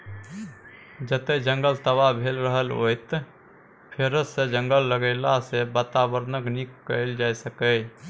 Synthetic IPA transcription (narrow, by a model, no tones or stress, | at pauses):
d͡ʒət̪ed͡ʒə̃ŋɡəlt̪əʋabʱeːlɾəɦəlo̰t̪ | pʰeɾəsed͡ʒə̃ŋɡəlːəɡəɪlasebat̪abəɾnəɡnikːəɪld͡ʒaːjsəkə